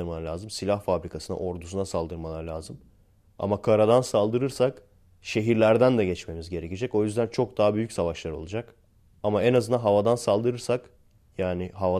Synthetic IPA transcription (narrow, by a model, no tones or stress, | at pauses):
ɯɾmaalʲaːzɯmsilʲahfabɾikʰasɯna̰ʔo̞ɾd̪usunasalˠd̪ɯɾmalˠaɾɯlʲaːzɯm | a̰makʰaɾad̪ansalˠd̪ɯɾɯɾsak | ʃe̞ɦiɾlʲæɾd̪ænd̪ɛɟɛt͡ʃme̞mizɟe̞ɾecid͡ʒɛco̞jyzd̪ænt͡ʃʰo̞k̚d̪aɦabyjycʲsavaʃlˠaɾɯo̞lˠud͡ʒak | amaenazɯnaɦavad̪ansalˠd̪ɯɾɯɾsak | jaːnɪɦava